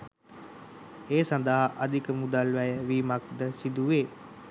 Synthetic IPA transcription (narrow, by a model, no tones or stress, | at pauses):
eːsand̪əɦaʔad̪ikəmud̪alʋæjəʋiːmak̚d̪əsid̪uʋeː